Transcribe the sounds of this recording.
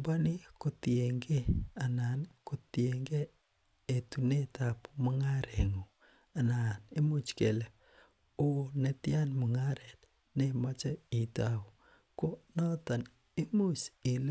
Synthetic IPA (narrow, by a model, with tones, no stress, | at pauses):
ba˦ni˦ko˨tje˨ŋɡe˦a˨na˨nko˨tje˨ŋɡe˦ | e˨tu˨ne˦ta˨pmɔ˦ŋa˦ɾe˨ŋo˨ | a˨na˨ne˦mu˦t͡ʃke˨le˨ | o˦ne˨tja˦nmu˨ŋa˦ɾɛ˨t | ne˦ma˦t͡ʃɔ˦i˨ta˦u˨ | ko˦nɔ˦ta˨n | e˦mu˦si˨l